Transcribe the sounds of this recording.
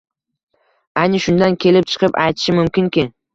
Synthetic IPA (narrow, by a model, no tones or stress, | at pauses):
ajnɪʃʊnd̪ankʲʰe̞lɪp̚t͡ʃʰɨ̥qʰɨpajt̪ʰɪ̥ʃɪmʊmkʲɪnkʲɪ